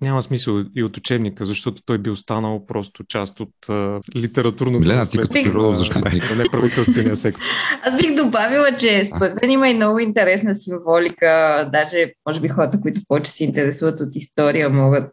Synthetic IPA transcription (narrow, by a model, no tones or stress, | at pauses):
nʲaməsmisəlˠiot̪ʊt͡ʃɛbnikəzɐʃt̪ɔt̪o̥t̪ɔjbiost̪anəlˠpɾɔst̪ʊt͡ʃast̪ot̪ːlit̪ɛɾɐt̪uɾnomilɛnat̪iɛkt̪iɾiɾɔd̪ovzɐʃt̪ɔnɐnɛpɾɐvit̪ɛlˠst̪vɛniəsɛktʊazbiɣd̪obavilˠət͡ʃɛsppoɾɛt̪mɛniməimnɔɡʊint̪ɛɾɛsnəsiɱvɔlʲikəd̪aʒɛmɔʒɛbixɔɾət̪əkʊit̪ʊpɔvɛt͡ʃɛ̥sɛint̪ɛɾɛsuvət̪ot̪ist̪ɔɾijəmɔɡət̪̚